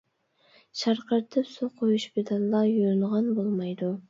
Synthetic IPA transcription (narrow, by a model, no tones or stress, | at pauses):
ʃɑɾqəɾt̪ʰɨpsuqʰojuʃbed̪ɑlˠːɑjujnʁɑnbolˠmɑjd̪u